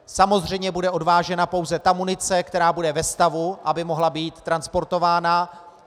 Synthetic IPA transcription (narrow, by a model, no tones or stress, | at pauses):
samo̞zr̝ɛjmɲɛbudɛʔo̞dvaːʒɛnapo̞wzɛt̪amunɪt͡sɛkt̪ɛɾaːbudɛvɛst̪avuʔabɪmo̞ɦlabiːt̪ːɾanspo̞ɾt̪o̞vaːna